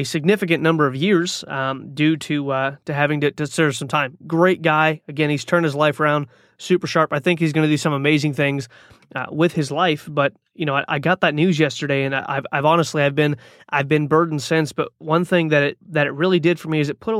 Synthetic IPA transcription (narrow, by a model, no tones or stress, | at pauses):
ɨsɨɡ̚nɪfɨk̬ɨ̃nːʌ̃mbə˞ʌvjɪɹz̥dʉɾɨtɨɦævɪ̃ŋtɨdɨsðə̥˞sʌ̃mtʰãɪ̃mɡɹeɪt̚ɡ̥aɪɨɡɛ̃niz̥tʰɜ̃˞nd̚ɨzlaɪfə˞ãʊ̃nd | sʉpə˞ʃɑɹpaɪθɪ̃ŋkhizɡʌnɨdɨsʌ̃məmeɪzɪ̃ŋθɪ̃ŋz | wɪð̥ɨzlaɪfb̥ʌt̚ | jɨnoʊaɪʔa̰ɪɡɑt̪̚ðɨtⁿnʉzjɛstə˞ɾeɪɨ̃nʔa̰ɪva̰ɪvɑnəstˡliɨvbɨ̃n | ʔaɪvbɨ̃nbɜ˞dⁿn̩sɪ̃nsb̥ʌt̚wʌ̃nθɪ̃ŋðɨɾɪt̪̚ðɨɾɨt̚ɹɪlˠidɨd̥fə˞miɨzɨt̚pʰʊɾə